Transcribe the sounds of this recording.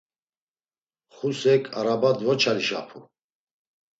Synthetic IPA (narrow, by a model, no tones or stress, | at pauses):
χusɛkʰʼaɾabad̪vɔt͡ʃʰaliʃa̰pʰu